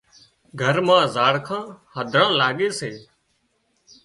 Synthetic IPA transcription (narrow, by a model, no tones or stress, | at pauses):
ɡʱəɾmãːzaːɽkʰãːhəd̪ʱɾãːlaːɠeːseː